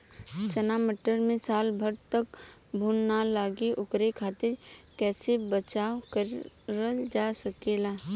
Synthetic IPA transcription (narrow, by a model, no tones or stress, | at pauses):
t͡ʃənaːməʈəɾmẽsaːlbʱəɾt̪ək | bʱuːnnalaːɡeʔʊkɾekʰaːt̪ɪɾkɛːsebət͡ʃaːkəɾ | ɾəld͡ʒaːsəkeːlaː